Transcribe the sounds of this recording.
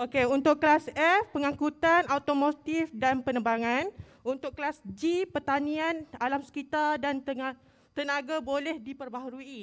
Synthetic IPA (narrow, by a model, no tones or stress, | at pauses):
ʔokeunt̪ʊʔklasɛfpəŋãkut̪anat̪omot̪ifdanpənəbaŋan | unt̪ʊkklasd͡ʒipərt̪anĩanalamsə̥kit̪ardant̪əŋa | t̪ənãɡabolɛhdipərbaɦɾui